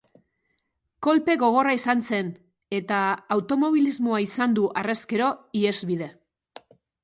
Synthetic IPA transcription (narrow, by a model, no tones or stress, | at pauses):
ko̞lpe̞ɣo̞ɣ̞o̞raisanse̞n | e̞t̪aːwt̪o̞mo̞β̞ilizmo̞aisand̪uʔare̞ske̞ɾo̞ie̞zβið̞e̞